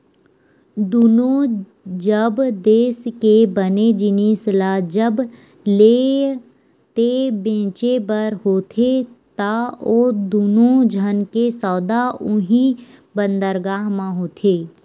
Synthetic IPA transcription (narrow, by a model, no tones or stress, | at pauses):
d̪uːnõ | d͡ʒəbd̪eːskebəned͡ʒɪnislad͡ʒəb | leː | t̪ebẽːt͡ʃebəɾɦoːt̪ʰet̪aoːd̪uːnod͡ʒʱənkesɔːd̪aʊɦĩ | bənd̪əɾɡaːɦmãɦoːt̪ʰeː